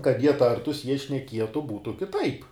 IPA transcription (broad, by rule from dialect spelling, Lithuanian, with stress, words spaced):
kɐt ˈjiɛ ˈtɐrtʊs ˈjiɛ ʃʲnʲɛˈkʲiɛtʊ ˈbuːtʊ kʲɪˈtɐɪp